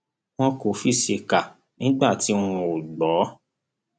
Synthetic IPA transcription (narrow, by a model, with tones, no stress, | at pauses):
w̃ɔ̃˦ko˨˦fi˦˨ʃe˧ka˨ | nĩ˨˦ɡ͡ba˦˨ti˨˦w̃ɔ̃˧o˨ɡ͡bɔ˨˦